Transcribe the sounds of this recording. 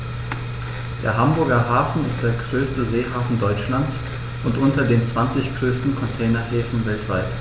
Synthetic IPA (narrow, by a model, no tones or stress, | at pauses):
d̥ḛːɐɦambʊɐɡɐɦaːfn̩ɪst̚d̥eːɐɡʁøːstəzeːhaːfn̩dɔʏt͡ʃlant͡s | ʔʊntʔʊntɐdeːnt͡sv̥ant͡sɪçɡ̥ʁøːstn̩kʰɔntʰɛːnɐheːfn̩vɛltv̥aɪt